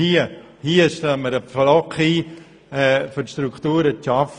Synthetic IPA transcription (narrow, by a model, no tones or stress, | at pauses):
iə | hiəʃtaməɾəflɔkiː | ɛfʏʃtɾukχt̪uːɾət͡ʃɑf